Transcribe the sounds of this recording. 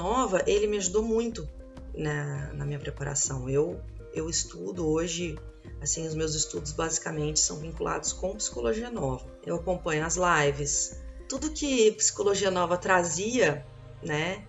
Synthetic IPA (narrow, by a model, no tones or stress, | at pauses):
ɔvɐʔelɪmɪaʒud̪omũj̃t̪ʊ | nɐnɐmĩɲɐpɾepaɾa̰sɐ̃w̃ew | ewɪst̪ud̪ʊoʒɪ | asĩʊzmewzɪst̪ud̪ʊzbazikamẽnt͡ʃɪ̥sɐ̃w̃vĩŋkulʔa̰d̪ʊskõpi̥si̥koloʒiɐnɔvɐ | ewakõmpɐ̃ɲʊɐzlajvɪst̪ud̪ʊkʰɪpsi̥koloʒiɐnɔvɐt̪ɾaziɐ | nɛ